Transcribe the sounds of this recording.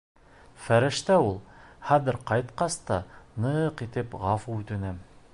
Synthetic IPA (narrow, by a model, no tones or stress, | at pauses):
fæɾɘ̆ʃt̪æulˠχæðɘɾqɑjt̪qɑst̪ɑnɤqit̪ɘpʁɑfuʉt̪ɘ̆nɘm